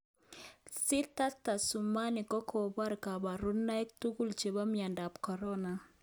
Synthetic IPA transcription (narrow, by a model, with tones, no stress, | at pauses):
sɪ˦ta˦ta˨su˨ma˦nɪ˨kɔ˦kʰɔ˨ba˦ɾka˨ba˨ɾu˦nːa˦ɛ˦k̚tu˦ku˦lt͡ʃe˨ba˦mia˨nda˨pkɔ˨ɾɔ˦na˨